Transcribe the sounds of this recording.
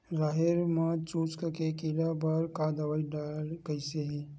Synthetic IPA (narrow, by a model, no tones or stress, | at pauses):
ɾaːɦeɾmat͡ʃuːt͡ʃkakekɪlabɐɾkaːd̪əʋaːiɖaːlkəiseɦɛ̃